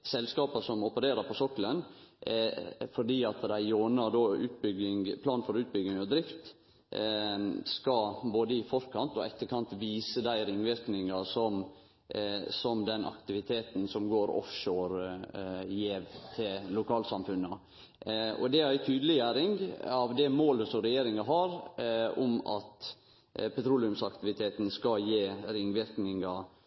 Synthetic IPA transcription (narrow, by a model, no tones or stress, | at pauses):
sɛlskɑːpɑsɔmɔpəɾeːɾəpʰɔsɔkːələn | fɔɖiːɑt̪d̪æɪjoːnɑd̪oːʉːt̪̚bʏɡɪŋpʰlɑːnfɔɾʉːt̪̚bʏɡ̪ɪŋɔd̪ɾɪft̪ | skɑboːd̪əɪfɔɾkʰɑnt̪ɔɛt̪ːəkʰɑnt̪ʋiːsəd̪æɪɾɪŋʋɪɾknɪŋɑsɔm | sɔmd̪ɛnʔɑ̰kt̪ɪʋɪt̪ʰeːt̪ən̩sɔmɡoːɾɔ̰fʃoːɾ | jeːʋt̪ʰɪllʊkʰɑːlsɑmfʉnːə | ɔ̰d̪ɛæɾæɪt̪ʰyːd̪əlɪjæɾɪŋɑʋd̪ɛmoːləsɔmɾɛjeːɾɪŋɑɦɑɾʊmɑ̰t̪ | pʰɛt̪ʰɾuːlɪʉmsɑkt̪ɪʋɪt̪ʰeːt̪nskɑjeːɾɪŋːʋɪɾknɪŋɑ